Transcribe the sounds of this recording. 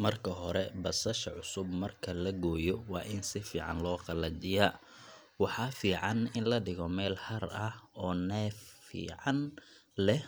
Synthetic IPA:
mɐrkʰɐɦɔɾɛbɐsɐʃɐʕʊsʊbmɐrkʰɐlɐɡɔːjɔwɑ̰ːʔɪnsɪfiːʕɑ̰nlɔːqɑlɐt͡ʃɪjɐ | wɑħɑːfiːʕɑnɪnlɐɖɪɣɔmɛːlhɐrɐhɔːnɛːfḭːʕɑnlɛh

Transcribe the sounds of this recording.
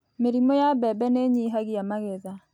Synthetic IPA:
meɾimɔjabɛbɛneɲiɦaɣiamaɣeða

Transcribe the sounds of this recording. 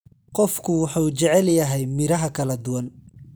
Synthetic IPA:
qɔfkʰʊwɑħuːt͡ʃɛʕɛljɐɦɛjmɪɾɐɦɐkʰɐlɐd̪ʊwɐn

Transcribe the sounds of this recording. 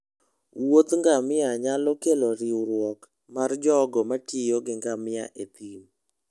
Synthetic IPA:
wot̪ŋɡamɪaɲalɔkeloɾiuɾwɔk | mard͡ʒɔɡɔmatɪjoɡɪŋɡamɪa̰ʔet̪im

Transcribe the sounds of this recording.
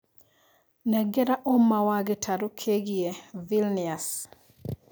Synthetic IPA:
nɛɡɛɾaʔomːawaɡɪtʰaɾokʰeɡievilnias

